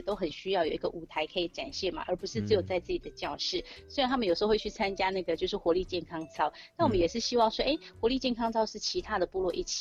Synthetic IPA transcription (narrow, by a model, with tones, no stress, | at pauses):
t̪o˥ʊxə˨˩nɕy˥jɑ˥˩ʊjo˨˩ʊi˧˦ɡə̰˧˨ʔu˨˩t̪ʰa˧˥ɪkʰɤ˧˥i˨˩˦ʈ͡ʂa̰˨˩nɕjɛ˥˩ma̰˩ʔə˧˥pu˧˥ʂɻ̩˥˩t͡sɹ̩˥˩jo˨˩ʊt͡sa˥˧ɪt͡sɹ̩˥˩t͡ɕi˨˩d̪̥ə˦t͡ɕjɑ˥˧ʊʂɻ̩˥˩swɻnt̪ʰa˥mə˨njʂ̩˧˥˧wt͡ɕʰy˥˩t͡sʰa˥nt͡ɕja˥na˥˩ɡə˩t͡ɕjo˥˧ʊʂ̬ɻ̩˥˩xwɔ˧˥li˥˧t͡ɕjɛ˥˩nkʰɑ˥ŋt͡sʰɑ˥ʊna˥˩nwɔ˨˩mə˦jɛ˨˩ʂɻ̩˥˩ɕi˥wɑ˥˩ŋʂwɔ˥ʔe˥˩ɪxwɔ˧˥li˥˧t͡ɕjɛ˥˩nkʰɑ˥ŋt͡sʰɑ˥ʊʂɻ̩˥˩t͡ɕʰi˧˥t̪ʰa˥d̪ə˨pu˥˧lwɔ˥˧ʔḭ˥˩t͡ɕʰi̥˨